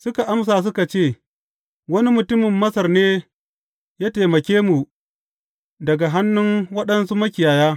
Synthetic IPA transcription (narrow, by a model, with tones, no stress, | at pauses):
sʊ˦ka˨ʔa˦ms̬aː˨s̬ʊ˦ka˨t͡ʃeː˦˨ | wɐ˦ni˦mʊ˨tʊ˦mɪ˨mːɐ˦sɐ˨rneː˦ | jaː˦teː˨mɐ˨kʲeː˦mu˨ | dɐ˨ɡa˨ɦa˦nːʊ˦ŋwɐ˦ɗɐ˦nsu˦mɐ˦kʲɪ˨jaː˨jaː˦